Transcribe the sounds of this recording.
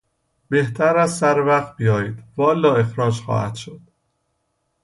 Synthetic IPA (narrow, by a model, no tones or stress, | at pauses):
beht̪ʰæɾæzsæɾvæχt̪̚bijɒːjiːd̪̥vɒːlːɒːe̞xɾɒːd͡ʒxɒ̰ːhæ̰d̪̥ʃod̪̥̚